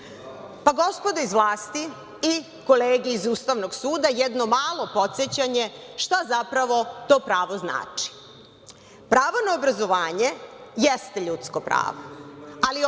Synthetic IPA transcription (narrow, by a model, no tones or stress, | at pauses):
paɡo̞spod̪aizʋlˠaːst̪i | i | ko̞leːɡiːzuːst̪aʋno̞ɡsuːd̪ajɛd̪no̞maːlˠo̞po̞t̪set͡ɕaɲe̞ʃt̪azapɾaʋo̞t̪o̞ːpɾaːʋo̞zna̰ːt͡ʂi̥ | pɾaːʋonaobɾazo̞ʋaːɲe̞jest̪eʎut̪skopɾa̰ːʋoali